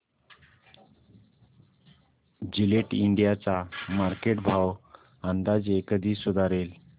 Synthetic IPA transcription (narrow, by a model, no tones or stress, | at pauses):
d͡ʑileʈiɳɖijat͡samaɾkeʈbʱaw | ãnd̪ad͡zekəd̪ʱiːsud̪aɾel